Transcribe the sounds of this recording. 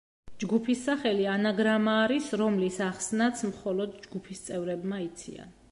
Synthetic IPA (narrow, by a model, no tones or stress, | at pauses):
d͡ʒɡupʰisːaχɛlianaɡɾamaːɾisɾɔmlisaχsnat̪sʰmχɔlɔd̪d͡ʒɡupʰist̪sʼɛvɾɛbmait̪sʰḭa̰n